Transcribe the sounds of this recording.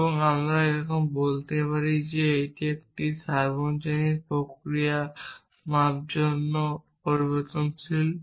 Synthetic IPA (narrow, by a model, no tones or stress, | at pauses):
ebɔŋamɾaeɾɔkɔmbolt̪epaɾid͡ʒeejt̪iek̚t̪isaɾbɔnt͡ʃanipɾokɾijasmap̚d͡ʒɔnːɔ | pɔɾibɔɾt̪ɔnt͡ʃʰil